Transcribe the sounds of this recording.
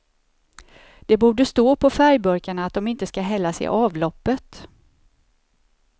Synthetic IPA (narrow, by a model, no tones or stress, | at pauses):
d̪̥ɛbuːɖəst̪oːpʰɔfæɾjbɵɾkaɳaːt̪̚d̪ɔmɪnt̪əskaɦɛlːasɛ̰ʔɑːvlɔpːət̪